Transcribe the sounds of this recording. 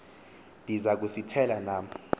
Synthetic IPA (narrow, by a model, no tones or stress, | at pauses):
ndʱizak̬usitʰɛlanaːm